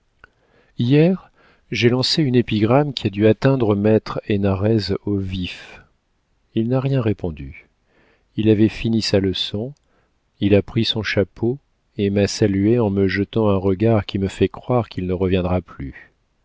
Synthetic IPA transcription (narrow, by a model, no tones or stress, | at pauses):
ijɛʁ | ʒelɑ̃seynepiɡʁamkʲʰiad̪yat̪ɛ̃d̪ʁəmɛt̪χenaʁɛzovif | ilnaʁjɛ̃ʁepɔ̃d̪y | ilavɛfinisaləsɔ̃ | ilapχisɔ̃ʃapʰo | emasalyeɑ̃məʒət̪ɑ̃ɛ̃ʁəɡaʁkʲiməfɛkχwaʁkʲilnəʁəvjɛ̃d̪ʁaply